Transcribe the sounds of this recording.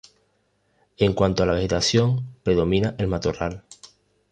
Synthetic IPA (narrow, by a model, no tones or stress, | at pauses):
e̞ŋkwant̪oalaβe̞xe̞t̪aθjo̞ŋpɾe̞ðo̞mĩnaʔe̞lmat̪oral